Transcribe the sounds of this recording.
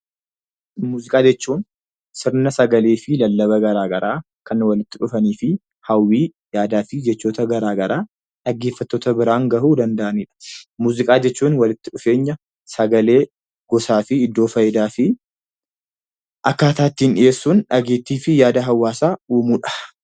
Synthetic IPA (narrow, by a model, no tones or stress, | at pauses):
muːzɪkʼaːd͡ʒɛt͡ʃːuːn | sɪɾnɐsɐɡɐleːfɪlɐlːɐbɐɡɐɾaːɡɐɾʔaː | kɐnwɐlɪt̪ːɪᶑʊfɐniːfɪ | hɐwːiː | jaːd̪aːfɪd͡ʒɛt͡ʃːoːt̪ɐɡɐɾaːɡɐɾaː | ᶑɐɡːe̞ːfːɐt̪ːoːt̪ɐbɪɾaːŋɡɐʔuːd̪ɐnd̪ɐʔɐniːᶑɐ̥muːzɪkʼaːd͡ʒɛt͡ʃːuːnwɐlɪt̪ːɪᶑʊfe̞ːɲːɐ | sɐɡɐle̞ː | ɡ̥ɔsaːfɪɪd̪ːo̞ːfɐjɪd̪aːfɪ | ʔɐkːaːt̪aːt̪ːinᶑɪʔe̞ːsːuːnᶑɐɡeːt̪ːiːfɪjaːd̪ɐɦɐwːaːsaːuːmuːᶑɐ̥